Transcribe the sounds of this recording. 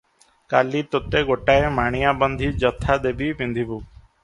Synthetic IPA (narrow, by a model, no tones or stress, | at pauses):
kaːliːt̪ot̪eɡoʈaːemaːɽ̃ijaːbənd̪ʱiːd͡ʒɔt̪ʰːad̪ebiːpĩnd̪ʱibuː